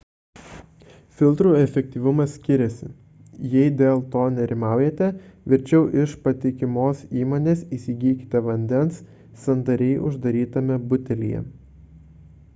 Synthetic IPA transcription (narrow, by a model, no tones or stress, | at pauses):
fʲɪlˠt̪ɾuːɛfʲɛk̚ʲt̪ʲiːʋʊmɐsʲkʲɪɾʲɛsʲɪ̰ | jɛɪd̪ʲeːlˠt̪oːnʲɛɾʲɪmɑˑʊjeːt̪ʲɛʋʲɪɾʲt͡ʃʲɛʊʔɪʃpɐt̪ʲɪkʲɪmoːsiːmoːnʲeːsiːsʲiɡʲiːkʲɪ̥t̪ʲɛʋɐnʲd̪ʲɛnsː | ɐnd̪ɐɾʲɛɪʔʊ̰ʒd̪ɐɾʲiːt̪ɐmʲɛbʊt̪ʲɛlʲḭjɛ̰